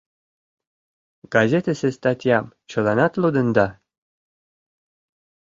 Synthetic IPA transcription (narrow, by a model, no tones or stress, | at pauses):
ɡ̥ɑzʲet̪əsest̪ɑt̪ʲjɑmt͡ɕɤ̆lɑnɑt̪lud̪ɤ̆nd̪ɑ